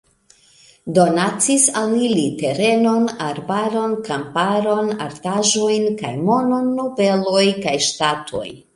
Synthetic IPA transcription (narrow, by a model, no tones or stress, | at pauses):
do̞nat͡sisalilite̞ɾe̞no̞naɾbaɾo̞nkampaɾo̞na̰ɾtaʒojnka̰jmo̞no̞nːobe̞lojkajʃtatʰo̞̰j